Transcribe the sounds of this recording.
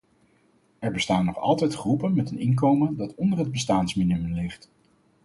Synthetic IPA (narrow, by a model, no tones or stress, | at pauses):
ɛɹbəstaːnːɔχɑ̰lˠtɛjtχrupənmɛtənɪnk̬owməndɑtɔndərɦəd̚bəstaːnsmɪnyməlɪχt